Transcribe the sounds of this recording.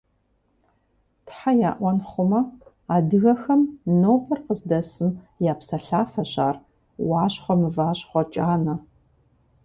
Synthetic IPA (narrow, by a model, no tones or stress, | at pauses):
tħaja̰ːʔʷɔnχʷʊmɐ | aːdɨɣɐxɐmnoːpʰɐrqəzdɐsɨm | jaːpsɐɬaːfɐɕa̰ːr | wɑːɕχʷɔmɨvaːɕχʷɔt͡ʃʼaːnɐ